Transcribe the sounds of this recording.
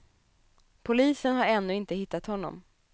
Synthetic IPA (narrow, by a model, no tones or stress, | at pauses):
pʰʊliːsənɦaɾɛnːɵːɪnt̪əhɪt̪ːat̪hɔnːɔ̰m